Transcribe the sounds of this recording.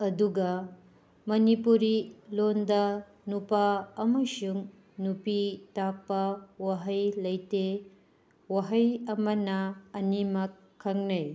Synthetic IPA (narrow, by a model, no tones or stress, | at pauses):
ɐduɡɐ | mɐnipuɾilondɐ | nupaɐmɐsuŋ | nupitak̚pɐwaɦɐjlɐjte | waɦɐjɐmɐnɐːnimɐkʰːɐŋnɐj